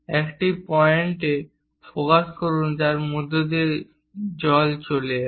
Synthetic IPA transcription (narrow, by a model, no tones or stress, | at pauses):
ɛkʈipɔeɳʈe | pɾokaʃkoɾund͡ʑaɾmod̪ʱːod̪eɾ | d͡ʑɔlt͡ɕole